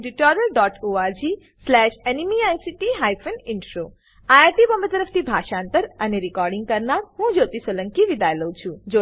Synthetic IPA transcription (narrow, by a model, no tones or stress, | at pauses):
ɖiʈɔːɾəlɖɔːʈoːaːɾd͡ʒiː | slɛːʃenimiaːjsiʈiɦaːjpʰəninʈɾoː | aːjat̪ibɐmbət̪əɾəfʰt̪ibʱaːʃãːnt̪əɾɐniɾikɔːɾɖiŋɡ̚kɐɾnaːɾɦũd͡ʒoːt̪isələ̃ŋkiʋid̪aːjlowt͡ʃʰud͡ʒo